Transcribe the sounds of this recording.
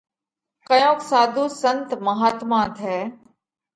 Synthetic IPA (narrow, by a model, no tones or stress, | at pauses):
kɐjõːksaːd̪ʱuːsənt̪mɐɦaːt̪mãːt̪ʰɛː